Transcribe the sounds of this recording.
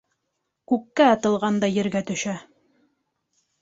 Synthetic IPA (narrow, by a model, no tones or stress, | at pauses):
kʉkːæɑt̪ɤ̆lˠʁɑnd̪ɑjɘ̆ɾɡæt̪ɵ̆ʃæ